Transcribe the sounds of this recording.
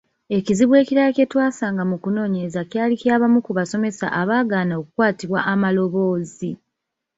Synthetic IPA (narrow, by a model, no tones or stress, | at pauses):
e̞ciziβwe̞ːciɾacetwaːsaːŋɡamukuno̞ːɲe̞zacjaːliciaːβamukuβaso̞me̞sa̰ʔaβaːɡaːnaokukwaːtiβwaʔamalo̞βo̞ːzi